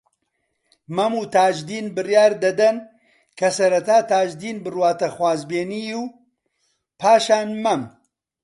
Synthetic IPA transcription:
mɐmuːt̪ʰaːd͡ʒd̪iːnbɨrjaːɾd̪ɐd̪ɐn | kʰɐsɐɾɐt̪aːt̪aːd͡ʒd̪iːnbɨrwaːt̪ɐxwaːzbeːniːju | pʰaːʃaːnmɐm

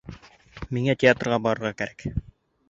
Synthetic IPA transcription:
miŋætʲɪat̪rʁɑbɑɾɤ̆ɾʁɑkæɾæk

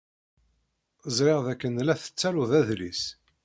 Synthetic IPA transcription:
əzˤɾɪʁðækːənlæθə̥t͡sːæɾuðæðlḭs

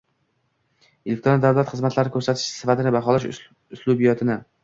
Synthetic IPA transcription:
elʲek̚ʲt̪ɾond̪awlˠat̪χɨzmat̪ʰlaɾɪkʰɵɾsat̪ʰɪʃsɪfat̪ɪnɪbaχɒlaʃ | ʊslˠʊbijɒt̪ʰɪnɪ

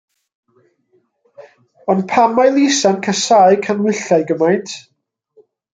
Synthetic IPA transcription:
ɔnpʰamajlˠisankʰasaːɨkʰanwɪɬaɨɡəmajntʰ

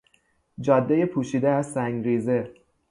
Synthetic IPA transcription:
d͡ʒɒːd̪ːeje̞pʰuːʃiːd̪eæzsæŋɡɾiːze̞

